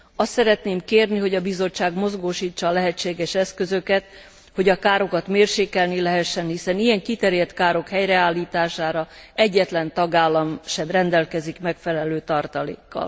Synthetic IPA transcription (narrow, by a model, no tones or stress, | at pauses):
ɒst̪sɛɾɛt̪neːmkeːrniɦo̞ɟɒbizo̞t͡ʃːaːɡmo̞zɡoːʃiːt͡ʃːɒːlɛɦɛt͡ʃːeːɡɛʃɛskø̞zøkɛt̪̚ | ho̞ɟɒkaːɾo̞kɒt̪meːrʃeːkɛlnilɛɦɛʃːɛnhisɛnijɛŋkit̪ɛɾjɛt̪kaːɾo̞khɛjrɛaːlːiːt̪aːʃaːɾɒɛɟːɛt̪lɛnt̪ɒɡaːlːɒmʃɛmrɛnd̪ɛlkɛzikmɛkfɛlɛløːt̪ɒrt̪ɒlḛːkːɒ̰l